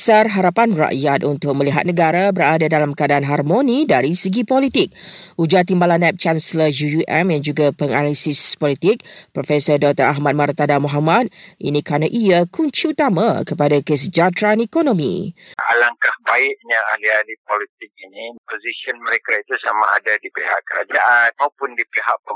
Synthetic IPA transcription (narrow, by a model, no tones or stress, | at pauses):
sarɦaɾapanra̰ʔjat̪unt̪ʊk̚mə̃liɦa̰t̪̚nəɡaɾabəɾadadalamkəadaʔanɦarmonĩdaɾisəɡipolit̪ɪk̚ud͡ʒat̪imbalanːɛp̚t͡ʃansləjujuʔɛmjand͡ʒuɡapəŋalisɪspɔlit̪ɪk̚pɾofɛsərdɔk̚t̪əɾaɦmat̪̚mart̪adamɔɦamat̪̚ʔḭnĩkɾanãʔiakuɲt͡ʃiut̪amãkəpadakəs̬əd͡ʒat̪ɾanɛkonõmḭ̃a̰laŋkahbaɪʔɲaahlialipolit̪ɪk̚inipozisiənməɾekait̪usamaa̰dadipeɦa̰ʔkə̰a̰d͡ʒaʔt̪aupʊndipeɦaʔ̚pə